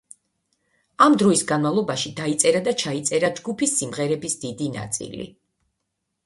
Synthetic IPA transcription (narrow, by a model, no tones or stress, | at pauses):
amd̪ɾɔisɡanmalˠɔbaʃid̪ait̪sʼɛɾad̪at͡ʃʰait̪sʼɛɾad͡ʒɡupʰisːimʁɛɾɛbisd̪id̪ina̰t̪sʼḭlḭ